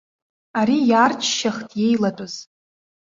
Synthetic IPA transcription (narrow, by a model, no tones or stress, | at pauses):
aɾijart͡ʃʰʃaχtʼje̞jlatʷʼʊz̥